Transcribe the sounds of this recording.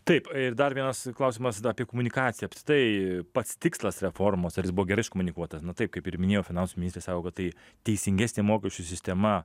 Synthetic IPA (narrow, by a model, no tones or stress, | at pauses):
t̪ɐɪpɪrd̪ɐɾʋʲiɛnɐsklˠɐʊsʲɪmɐsɑpʲiɛkomʊnʲɪkɑːt͡s̪ʲɪjɛɐpʲst̪ʲɪ̥kt̪ɐɪpɐt̪st̪ʲɪkslˠɐsɾʲɛfoːrmoːsɐɾjɪsbʊʋoːɡʲɛɾɐɪʃkomʊnʲɪkuɔt̪ɐsnʊt̪ɐɪp̚kɐɪpɪɾmʲɪnʲeːjoːfʲɪnɐnsʊmʲnʲɪst̪ʲɾesɑːkoːkɐt̪̚t̪ɐɪ | t̪ʲɛɪsʲɪŋʲɡʲæːsʲnʲeːmoːkʲɛʃʲt͡ʃʲʊsʲɪsʲt̪ʲɛmɐ